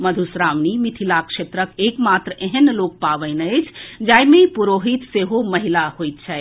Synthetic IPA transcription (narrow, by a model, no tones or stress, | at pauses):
məd̪ʱusɾaʋnimit̪ʰilakʃet̪ɾəkekmat̪ɾəʔeɦənlok̚paʋəjnəɪt͡ʃʰd͡ʒajmepuɾoɦit̪seɦoməɦilahojt̪̚t͡ʃʰɛɛ